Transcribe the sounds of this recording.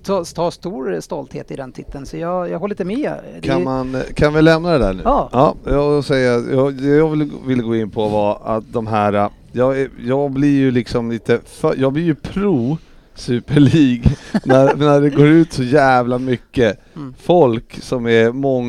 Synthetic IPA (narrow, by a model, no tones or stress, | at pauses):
t̪ʰɑt̪ʰɑːst̪uːɾst̪ɔlt̪hḛːt̪ɪd̪ɛnt̪ʰɪt̪ʰːənsɔjɑːjɑɡhɔlːliːt̪əmɛdkʰanmankʰanvɪlɛmnad̪ɛd̪æ̰ɳʉ̟ːɑ̰ːɑɔsɛjːat̪jɑːd̪ɛjɑːɡvɪlvɪlːəɡoːɪnːpʰɔvaɾa̰t̪̚d̪ɔmɦæːɾa | jɑːɡɛjɑːɡ̚blɪɾjɵlɪksɔmliːt̪əfœjɑːɡblɪɾjɵpʰɾuː | sʉ̟ːpəɭiːɡnæɾnæɖɛɡoːɾʉ̟ːt̪sɔjæːvlamʏkːə | fɔlksɔmæɾmɔŋː